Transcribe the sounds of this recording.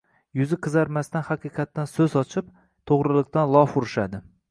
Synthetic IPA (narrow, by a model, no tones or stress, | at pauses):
jʊzɪqʰɨzaɾmast̪anhɑqʰɨqʰɑt̪ːansɵzɒt͡ʃʰɪp | t̪ʰoʁɾɪlˠɪq̚t̪anlˠɒfʊɾɪʃad̪ɪ